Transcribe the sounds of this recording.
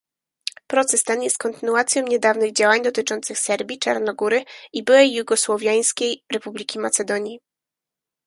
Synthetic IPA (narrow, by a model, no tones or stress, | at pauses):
pɾɔt̪sɛst̪ɛnjɛst̪̚kɔnt̪ɘnuat̪sʲjɔ̃w̃ɲɛd̪avnɘɣd͡ʑawaɲd̪ɔt̪ɘt͡ʂɔnt̪sɘxsɛɾbʲit͡ʂaɾnɔɡuɾɘibɘwɛjːuɡɔswɔvʲjaj̃skʲejɾɛpublʲikʲimat̪sɛd̪ɔɲji